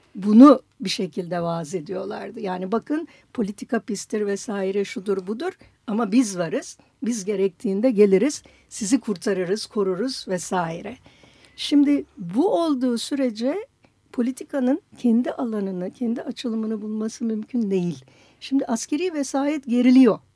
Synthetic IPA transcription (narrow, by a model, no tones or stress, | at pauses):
bunubiʃe̞cʰilʲd̪ɛvaze̞d̪ijo̞lˠa̰ɾd̪ɯjaːnibakʰɯn | pʰo̞lʲit̪ʰikapist̪ʰiɾvɛsaːiɾɛʃud̪uɾbud̪uɾ | amabizvaɾɯz̥ | bizɟe̞ɾɛc̚t̪ʰiːnd̪ɛɟe̞lʲeɾiz̥ | sizikʰuɾt̪ʰaɾɯɾɯz̥kʰo̞ɾuɾuz̥vɛsaːiɾɛ | ʃimd̪ɪbuo̞lˠd̪uːsyɾe̞d͡ʒɛ | pʰo̞lʲit̪ʰikanɯncʰɛnd̪iʔalˠanɯnɯcʰɛnd̪iat͡ʃʰɯlˠɯmɯnɯbulˠmasɯmymcʰynd̪e̞jilʲ | ʃimd̪iʔasce̞ɾijːvɛsaːjɛt̪ɟe̞ɾilʲijo̞